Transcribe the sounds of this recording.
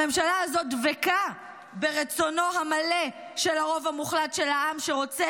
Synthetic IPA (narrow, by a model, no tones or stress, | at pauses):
emʃalaːzo̞t̚veka | be̞ʁet͡so̞no̞ɦamale | ʃe̞laʁo̞vhamuχlatʃelaamʃeʁo̞t͡se